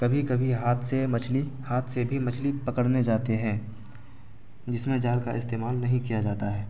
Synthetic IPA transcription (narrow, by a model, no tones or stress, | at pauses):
kɐbʱikɐbʱiɦaːt̪ʰsemɐt͡ʃʰlihaːt̪ʰsebʱimɐt͡ʃʰlipɐkəɽned͡ʒaːt̪eɦɛ̃ː | d͡ʒɪsmẽd͡ʒaːɾkaɪst̪eːmaːlnɐɦĩkijad͡ʒaːt̪aɦɛː